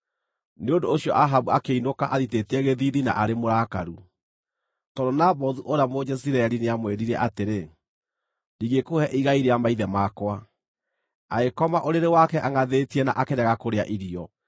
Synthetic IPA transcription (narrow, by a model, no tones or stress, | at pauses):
neondoːɕiɔ̰ʔaɦaβuakeinokaʔaðitetiɛɣeðiðina̰ʔaɾemoɾaːkaɾu | tɔdonabɔðuʔoɾeamod͡ʑɛs̬iɾaɛɾineamweɾiɾɛʔateɾe | ndiɣekohɛʔiɣaiɾeamaiðɛmakwa | aɣekɔmaʔoɾeɾewakɛʔaŋaðetiɛnaʔakeɾɛɣakoɾea̰ʔiɾiɔ